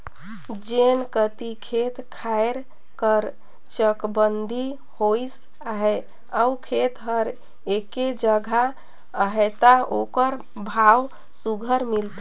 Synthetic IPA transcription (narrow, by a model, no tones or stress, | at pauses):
d͡ʒenkət̪ikʰet̪kʰaeɾ | kəɾ | t͡ʃəkbənd̪ʱi | hojs | aɦɛ | əwkʰet̪ɦəɾ | eked͡ʒəɡʱa | əɦɛt̪aokəɾ | bʱaw | suɡʱəɾmilt̪